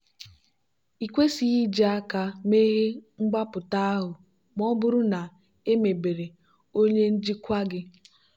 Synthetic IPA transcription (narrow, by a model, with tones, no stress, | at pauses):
i˨kʷe˦si˨ɣi˦d͡ʒe˨a˦ka˦me˦ɣe˦ŋ͡m̩˦ɡ͡ba˦pʊ˨ta˦a˦ɦʊ˨ | mɔ˦bʊ˦ɾʊ˦na˨ | e˦me˨be˨ɾe˨ | o˦ɲe˦n̩˦d͡ʒi˦kʷa˦ɡɪ˦